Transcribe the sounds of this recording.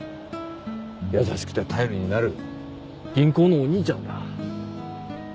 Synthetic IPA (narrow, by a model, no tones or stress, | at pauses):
jasaɕi̥kɯ̟̥t̪e̞t̪ʰajoɾʲiɲ̟inaɾɯ̟ | ɡ̥ʲĩŋko̞ːno̞ːɲ̟iːt͡ɕãnd̪a̰